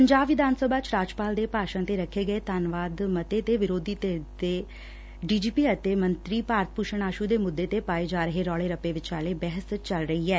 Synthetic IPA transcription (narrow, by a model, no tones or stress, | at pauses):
pəɲd͡ʒaːbʋɪd̪ʱaːnsəbaːt͡ʃɾaːd͡ʒpaːld̪eːpaːʃãːt̪eːɾəkʰːeːɡəeːt̪aːnʋaːd̪mət̪eːt̪eːʋɪɾoːd̪iːt̪eːt̪eː | ɖiːd͡ʒiːpiːət̪eːmənt̪ɾiːpaːɾt̪̚ʰpuːʃəɳaːʃuːd̪eːmʊd̪ːeːt̪eːpaːeːd͡ʒaːɾəɦeːɾɔːleːɾəpeːʋɪt͡ʃt͡ʃaːleːbɛɦəst͡ʃəlɾəɦiːɛː